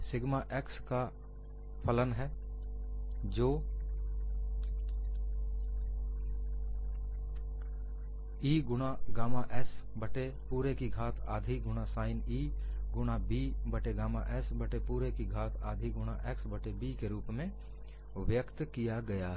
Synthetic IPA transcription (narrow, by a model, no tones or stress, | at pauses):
sɪɡmaʔɛːkska | pʰələnɦɛː | d͡ʒoː | iːɡʊɽ̃aɡaːmaʔɛs | bəʈe | puːɾekiɡʱaːt̪ʰa̰ːd̪ʱiɡʊɽ̃asaːɪniː | ɡʊɽabiːbəʈeɡaːmaʔɛsbəʈepuːɾekiɡʱaːt̪ʰa̰ːd̪ʱiɡʊɽ̃aʔɛːksbəʈebiːkeɾuːpmẽ | ʋjəkt̪kijaɡɐjaɦ